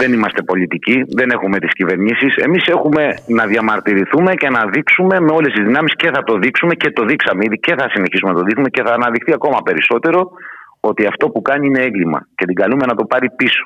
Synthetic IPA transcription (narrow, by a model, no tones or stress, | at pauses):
ðe̞nimɐst̪e̞po̞lit̪iciðe̞ne̞xume̞t̪iscive̞ɾɲisise̞̰mise̞xume̞nɐðjɐmɐɾt̪iɾiθume̞ce̞nɐðiksume̞me̞o̞lest̪izðinɐmisce̞θɐt̪o̞ðiksume̞ce̞t̪o̞ðiksɐmeiðice̞θɐsine̞çisumenɐt̪o̞ðiksumece̞θɐːnɐðixθiɐko̞mɐpe̞ɾiso̞t̪e̞ɾo̞ | o̞t̪iɐft̪o̞pukɐɲiine̞eŋɡlimɐ̰ce̞t̪iɡɐlume̞nɐt̪o̞pɐɾipiso̥